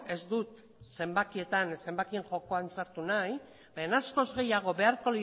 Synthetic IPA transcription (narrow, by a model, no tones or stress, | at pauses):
e̞zd̪ut̪ | se̞mbakie̞t̪anse̞mbakie̞ŋxo̞ko̞ansaɾt̪unaj | beenasko̞zɣe̞jaɣ̞o̞βe̞aɾko̞li